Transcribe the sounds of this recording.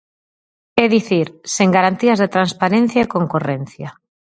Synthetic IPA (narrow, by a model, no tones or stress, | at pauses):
eðiθiɾseŋɡaɾant̪iazðet̪ɾanspaɾẽn̟θjaekoŋkoren̟θja